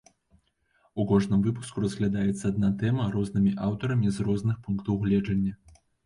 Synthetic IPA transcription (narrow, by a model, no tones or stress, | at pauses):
ukɔʐnɨmvɨpu̥skuɾɐzɣlʲad̪ajɛt̪sːɐad̪̚nat̪ɛmɐɾɔznɨmʲiʔawt̪ɐɾɐmʲizrɔzn̪ɨxpunkt̪ɐwɣlʲɛd͡ʐɐnʲːɐ